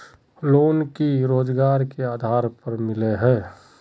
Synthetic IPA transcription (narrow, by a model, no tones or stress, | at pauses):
loːnkiɾoːd͡ʒɡaːɾkeaːd̪ʱaːɾpəɾmɪleɦɛː